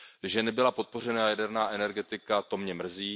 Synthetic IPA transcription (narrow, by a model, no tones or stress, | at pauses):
ʒɛnɛbɪlapo̞t̪̚po̞r̝ɛnaːjadɛɾnaːʔɛnɛɾɡɛt̪ɪkat̪o̞mɲɛmr̩ziː